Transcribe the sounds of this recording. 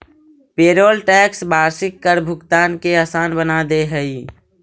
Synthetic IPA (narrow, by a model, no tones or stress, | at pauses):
peːɾoːlʈɛːksbaːɾsɪkːəɾbʱʊɡt̪aːnkeaːsaːnbənad̪eɦəi